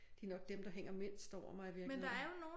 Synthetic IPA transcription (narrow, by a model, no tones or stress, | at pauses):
d̥e̝nɒ̽ɡ̥̚d̥emd̥ɑ̈ɦeŋ̰ɐme̝n̰sd̥ɒʊ̰ɐmɑ̈ɪiʋiɐmenld̥ɑ̈æɐɐjo̝no̝ː